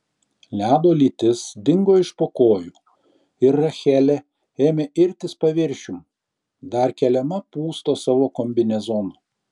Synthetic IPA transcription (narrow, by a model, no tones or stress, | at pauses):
lʲæːd̪oːlʲiːt̪ʲɪsd̪ʲɪŋɡoːɪʃpoːkoːjuː | ɪɾːɐxʲɛlʲɛ | eːmʲeːʔɪɾʲt̪ʲɪspɐʋʲɪɾʲʃʲʊm | d̪ɐɾkʲɛlʲɛmɐpuːst̪oːsɑʋoːkɔmʲbʲɪnʲɛzɔːnoː